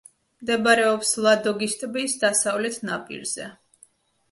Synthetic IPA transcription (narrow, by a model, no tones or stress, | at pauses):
md̪ɛbɾɛɔpslˠad̪ɔɡist̪ʼbiːsd̪asavlɛt̪ʰnapʼḭɾz̥ɛ